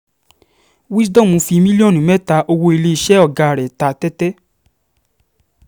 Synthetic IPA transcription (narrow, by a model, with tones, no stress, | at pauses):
wi˦dɔ˦˨mõ˨˧fi˧mĩ˦li˦ɔ̃˦˨nĩ˨mɛ˦ta˧ʔo˧wo˧i˧le˧i˧ʃɛ˦ɔ˦˨ɡa˧˨ɾɛ˨ta˧tɛ˦tɛ˦